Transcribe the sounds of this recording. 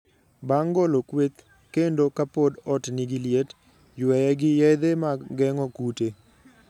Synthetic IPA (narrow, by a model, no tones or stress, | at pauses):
baŋɡolokwet̪ | kendokapodɔtniɡiljet | jwɛjɛɡɪjɛd̪emaɡɛŋɔkute